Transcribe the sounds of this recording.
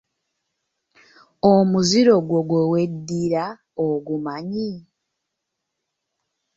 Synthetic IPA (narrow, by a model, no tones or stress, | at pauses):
omuziɾo̞ɡwoɡwowe̞dːiɾa | oɡumaɲi